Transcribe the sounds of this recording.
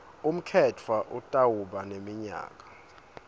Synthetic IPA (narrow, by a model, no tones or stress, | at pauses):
um̩kʰɛtʰwaʔutʼawuɓanemiɲa̰ːk̬ʼḁ